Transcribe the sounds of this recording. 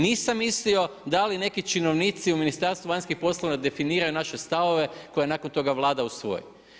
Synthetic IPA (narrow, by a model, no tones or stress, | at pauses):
niːsamːislio̞d̪aline̞kit͡ʃinoʋniːt̪siuminist̪aɾst̪ʋuʋaɲskixpo̞slˠoʋnad̪e̞finiːɾajunaʃest̪aʋo̞ʋe̞ko̞janakont̪o̞ɡaʋlˠaːd̪ausʋo̞̰jḭ